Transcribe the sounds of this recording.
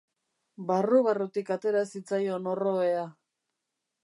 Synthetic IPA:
baruβarut̪ikat̪e̞ɾasit͡sajo̞no̞ro̞ea

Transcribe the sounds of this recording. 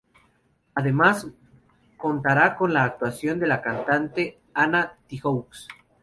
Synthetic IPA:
aðe̞mas | ko̞nt̪aɾako̞nlaːk̚t̪wasjo̞nd̪e̞lakant̪ant̪e̞ | anat̪ixowks

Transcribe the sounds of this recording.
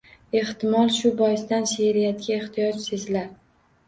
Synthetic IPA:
e̞ht̪ɪmɒlˠʃʊbɒjɪsd̪anʃeɾɪjat̪̚kʲaeht̪ʰɪjɒt͡ʃsezlaɾ

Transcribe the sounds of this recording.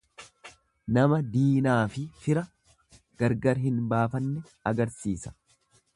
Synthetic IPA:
nɐmɐd̪iːnaːfɪfɪɾɐ | ɡ̥ɐɾɡɐɾɦɪnbaːfɐnːɛ | ɐɡɐɾsiːsɐ̥

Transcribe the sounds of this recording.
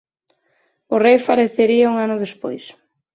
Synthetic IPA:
ʊrejfaɾeθeɾiauŋanʊðespo̰js

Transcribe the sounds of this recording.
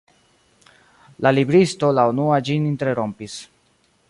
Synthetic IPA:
lalibɾisto̞launuad͡ʒininteeɾo̞mpis

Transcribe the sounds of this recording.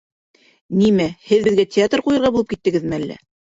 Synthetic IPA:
nimæhɘðbɘ̆ðɡætʲɪat̪rqujɤ̆ɾʁɑbulˠɤpkit̪ːɘ̆ɡɘðmɘælːæ̰

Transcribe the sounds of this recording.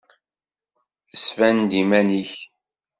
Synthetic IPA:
əsvænd̪imæniç

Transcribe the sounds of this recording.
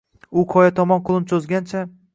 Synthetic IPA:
ʊqʰɒjat̪ʰɒmɒnqʰʊlˠɪmsʰɵzɡʲant͡ʃʰa

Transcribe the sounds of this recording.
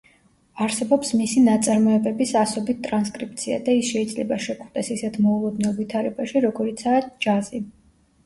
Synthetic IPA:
aɾsɛbɔpsmisinat̪sʼaɾmɔɛbɛbisasɔbit̪̚ʰt̪ʼɾanskʼɾipt̪sʰia̰d̪aisʃɛid̪zlɛbaʃɛkʰχd̪ɛsisɛt̪ʰmɔulˠɔd̪nɛlˠvit̪ʰaɾɛbaʃiɾɔɡɔɾit̪sʰaːd͡ʒazi

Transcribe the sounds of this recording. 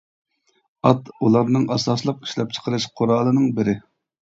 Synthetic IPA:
ɑt̪ulˠɑɾnɨŋɑsɑslˠəqi̥ʃlɛp̚t͡ʃʰə̥qʰəɾɨʃqʰoɾɑːlˠɨnɨŋbɪɾɪ

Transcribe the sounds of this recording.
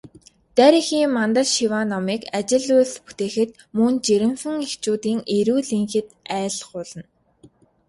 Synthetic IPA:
t̪æɾiːxiːmːant̪ə̆ɮʃiwaːnɔmiːkat͡ɕɪ̆ɮʊspu̥t̪eːxɘ̆t̪̚ | mɵnt͡ɕeɾɘ̆msɘ̆ŋext͡ɕuːt̪iːŋeɾuːɮiŋxɘ̆t̪æːɮχʊːɮə̆n

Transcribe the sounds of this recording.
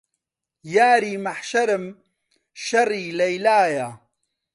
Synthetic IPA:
jaːɾiːmaħʃɐɾɨm | ʃɐriːlɐjlaːja

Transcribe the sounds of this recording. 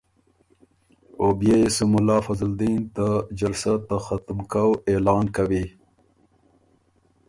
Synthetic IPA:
objesumʊlɑːfazld̪int̪ad͡ʒalsat̪axat̪mkawelɑːnkawi

